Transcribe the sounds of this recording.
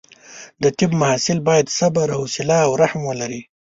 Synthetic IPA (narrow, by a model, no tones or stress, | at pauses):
d̪ət̪ɪbmahɑsɪlbɑjad̪sabaɾahusɪlaːwɾahmwəlaɾi